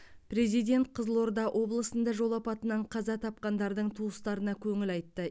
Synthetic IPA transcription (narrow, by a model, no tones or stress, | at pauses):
pɾe̞zijd̪ʲe̞nt̪̚qʰəzəlˠo̞ɾd̪ɑwʔo̞blˠəsənd̪ɑʒo̞lˠɑpɑt̪ənɑɴqʰɑzɑt̪ʰɑp̚qɑnd̪ɑɾd̪əɴt̪ʰuəst̪ɑɾənɑkʲʰɵŋɪlɑjt̪ːə